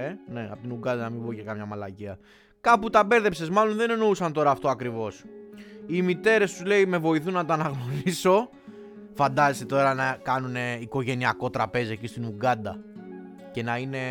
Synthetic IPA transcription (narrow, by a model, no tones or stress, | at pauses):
ene̞ɐ̰pot̪inuɡɐnd̪ɐnɐmibocekɐmɲɐmɐlɐ̰ciɐ | kɐput̪ɐbe̞ɾðe̞pse̞zmɐlo̞nðe̞ne̞no̞usɐnt̪o̞ɾɐːft̪o̞ɐkɾivo̞s | imit̪e̞ɾe̞st̪uzle̞ime̞vo̞iθunːɐt̪oɐnɐɣno̞ɾiso̞ | fɐnd̪ɐzeset̪o̞ɾɐnɐkɐnuneiko̞ʝe̞niɐko̞t̪ɾɐpe̞ziecist̪inuɡɐnd̪ɐ | ce̞nɐine̞